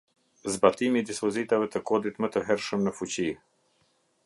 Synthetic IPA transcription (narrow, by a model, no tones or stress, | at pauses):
zbat̪imid̪ispɔzit̪avət̪əkod̪it̪mət̪əɦɛɾʃəmnəfut͡ʃi